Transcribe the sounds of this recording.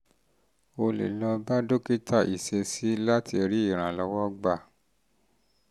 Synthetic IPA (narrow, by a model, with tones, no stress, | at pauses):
o˧lḛ˨lɔ˧ba˦do˦ki˦tʰa˦˨ʔi˨se˧si˨˦la˦tʰi˧ɾi˦i˦˨ɾ̃ã˨lɔ˧˦wɔ˦ɡ͡ba˦˨